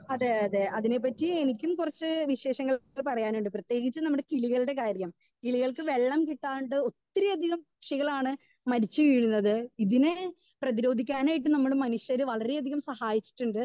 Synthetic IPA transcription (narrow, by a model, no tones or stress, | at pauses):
ɐðeɐðeʔɐðine̞pːɐtːienikʲːumkurɐt͡ɕːɨʋiɕe̞ːɕɐŋːɐɭɭpɐrɐjaːnuɳɖɨprɐt̪je̞ːɡit͡ɕːɨnɐmːuɽekiɭiɣɐɭɖe̞kaːɾjɐm | kiɭiɣɐɭkɨʋe̞ɭːɐmkiʈːaːuɳɖɨo̞t̪ːɾiɐd̪ʱiɣɐm | ʂɐɣɐɭaːɳɨ | mɐɾit͡ɕːɨʋiːɻunːɐðɨiðine | prɐðiɾo̞ːd̪ʱikʲːaːnaːjiʈ̬ːɨnɐmːuɽemɐnuɕjɐɾɨʋɐɭɐɾejɐd̪ʱiɣɐmsɐhaːjit͡ɕːi̥ʈːuɳɖɨ